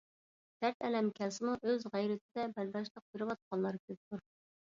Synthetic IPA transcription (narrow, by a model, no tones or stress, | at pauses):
d̪̥æɾt̪ɛlɛmkʲʰɛsɪmuʔøzʁæjɾɪt̪ʰɪd̪ɛbæɾbɑʃ̬lˠəq̚jeɾɪwɑt̪̚qʰɑnlˠɑɾkʲʰøp̚t̪ʰuɾ